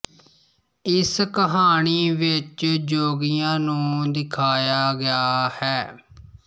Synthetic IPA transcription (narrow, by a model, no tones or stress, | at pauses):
ɪskəɦaːɳ̃iːʋɪt͡ʃd͡ʒoːɡijãːnũːd̪ɪkʰaːjaːɡɪjaːhɛː